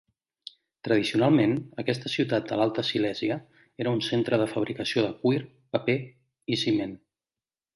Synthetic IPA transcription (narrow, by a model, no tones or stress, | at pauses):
t̪ɾəð̞isiunalˠmenəkɛst̪əsiwt̪at̪̚d̪əlalˠt̪əsilɛziə | eɾəunsent̪ɾəðəfəβ̞ɾikəsioðəkwiɾ | pəpe | isimen